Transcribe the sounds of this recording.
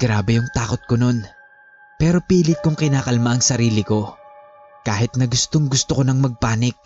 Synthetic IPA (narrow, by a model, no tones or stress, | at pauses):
ɡ̥ɾaːbɛjʊŋt̪aːkot̪̚kono̞n | pɛːɾo̞piːlɪt̪̚kʊŋkɪnaːkɐlmaʔɐŋsɐɾiːlɪko̞ | kaːhɪt̪̚nɐɡʊst̪oŋɡʊst̪okonɐŋmɐɡ̚paːnɪk̚